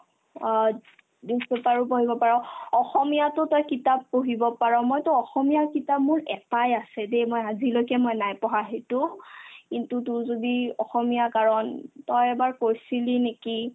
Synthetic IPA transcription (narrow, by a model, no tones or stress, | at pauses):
disɛpaɹʊpoɦibɔpaɹɔ̃ɔxɔmijatʊtɔjkitapːoɦibɔpaɹɔ̃mɔjtʊɔxɔmijakitapmʊɹɛtajasɛdejmojazilojkɛmɔjnajpɔɦaɦetʊkintutʊzodiɔxɔmijakaɹɔntɔjɛbaɹkoɹsilineki